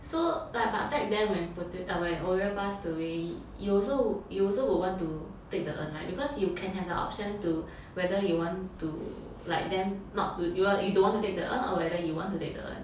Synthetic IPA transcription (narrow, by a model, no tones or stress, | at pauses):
solaɪk̚bã̰fɛk̚dɛ̃wɛ̃nputitəwɛ̃nʔɔɹɛpasdəwe | juɔlsojuɔlsowiwɔ̃ntu | tek̚dəʔə̰̃nla̰jk̚bikɔsjukʰɛ̃nɦɛfdəʔɔ̰p̚ʃə̃ntu | wɛdəjuwɔ̃ntu | laɪk̚dɛ̃mnɔ̰tːujujudõnwɔ̃ntutek̚dəʔə̰̃nɔ̰wɛdəjuwɔ̃ntutek̚də̰ʔə̰̃n